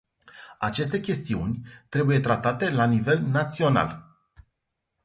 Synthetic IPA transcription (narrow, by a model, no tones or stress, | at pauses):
at͡ʃe̞s̬t̪e̞kʲe̞st̪iṵnʲt̪ɾe̞buje̞t̪ɾat̪at̪e̞lanive̞lnat̪sio̞na̰l